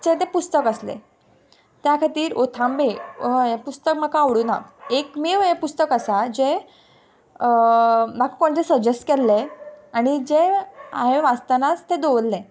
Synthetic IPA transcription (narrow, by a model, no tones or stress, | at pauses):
d͡ʑet̪̬ẽpust̪əkəslḛ | t̪jakʰat̪iːɾot̪ʰãmbeepust̪ək̚m̤akaəʋɽuna̰kekmeʋepust̪əkasad͡ʑe | bakʰukoɳd͡zesəd͡ʑesʈkɛlːeaɽ̃id͡ʑeaɦeʋast̪anat͡st̪ed̪oʋlːẽ